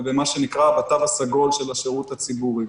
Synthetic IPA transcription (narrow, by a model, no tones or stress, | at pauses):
vemaʃe̞nikʁabat̪avasaɡo̞lʃe̞laʃeʁut̪hat͡sibuʁi